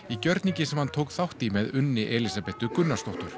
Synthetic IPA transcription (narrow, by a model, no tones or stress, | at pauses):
icœɾt̪niɲcɪsɛmhant̪ʰowkθawht̪imɛðʏnːɪʔɛlisapɛht̪ʏkʏnːḁst̪ɔht̪ʏɾ̥